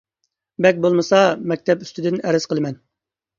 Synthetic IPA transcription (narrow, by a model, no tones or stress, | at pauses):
bɛkʲbolˠmɨsɑmɛk̚ʲt̪ʰɛpyst̪yd̪ɪnæɾɪz̥qəlˠɨmɛn